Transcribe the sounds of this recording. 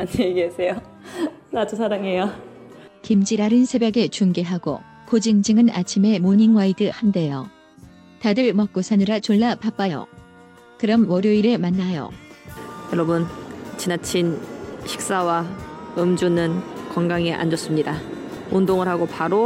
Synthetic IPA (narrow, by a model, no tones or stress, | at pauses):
aɲeɡeesʰe̞jo | nad͡ʑusʰaɾaŋejo | kimd͡ʑiɾaɾɯnsʰe̞bjʌɡe̞t͡ɕuŋɡeɦaɡo̰ | kod͡ʑiŋd͡ʑɯŋɯnat͡ɕʰime̞moɲiŋwaidɯhande̞jo̰ | tadɯɭmʌk̚k͈osʰanɯɾat͡ɕoɭːapap͈ajo̰ | kɯɾʌmwʌɾjoiɾɯmanːajo̰ | jʌɾʌbɯnt͡ɕʰinat͡ɕʰinɕʰi̥k̚s͈awaɯmd͡ʑunɯnkʌŋɡaŋiʔa̰nd͡ʑʌs͈ɯmɲida | undoŋɯɭhaɡopaɾo